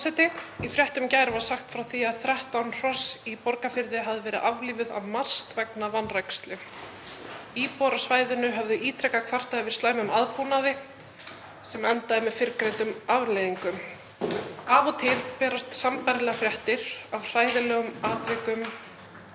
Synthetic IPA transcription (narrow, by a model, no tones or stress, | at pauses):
sɛjt̪ɪifɾjɛht̪ʏmcaːjɾvaɾ̥saxt̪fɾawθiaðθɾɛht̪awnr̥ɔsipɔɾkafɪɾðɪɦavðɪvɛːɾɪðʔavliːvɪða̰vmar̥st̪vɛknavanːrɛjkst̪lʏ | iːpɔɾasvaːjðʏnʏɦɛvðʏʔiːt̪ʰɾɛkakʰv̥ar̥t̪aðɪvɪɾ̥st̪aːjmʏmaðpunaðɪ | sɛmɛnt̪aðɪmɛðfɪɾkɾejnt̪ʏmavlejðiŋkʏm | aːvɔt̪ʰɪlpɛːɾast̪sampaɾlɛɣafɾjɛht̪ɪɾavr̥aːjðɪlɛːɣʏmaːt̪vɛkʏm